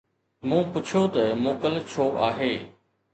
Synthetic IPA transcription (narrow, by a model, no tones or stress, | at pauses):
mũːpʊt͡ʃʰot̪ɐmoːkəlt͡ɕʰoːʔaːɦeː